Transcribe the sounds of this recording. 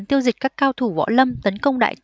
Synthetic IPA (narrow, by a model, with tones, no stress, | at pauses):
nt̪i˧əwzï˨˩k̟̚kaː˦˥kːaː˧wt̪ʰu˧˩vɔ̰˧˥lə˧mt̪ə˨˦nkə˧wŋ͡mɗa̰ː˧˨j